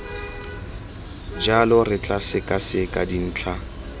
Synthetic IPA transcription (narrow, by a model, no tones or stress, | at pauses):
d͡ʒalʊrɪt͡ɬʼasɪkʼasɪkʼadin̩ːt͡ɬʰa